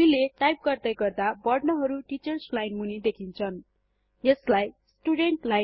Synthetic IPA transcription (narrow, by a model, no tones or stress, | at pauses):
ileʈajp̚ɡʌrd̪ʌjɡʌrd̪abʌɖnʌɦʌɾuʈit͡sʌrslajnmunid̪ekʰint͡sʰʌn | jeslajsʈuɽeɳʈla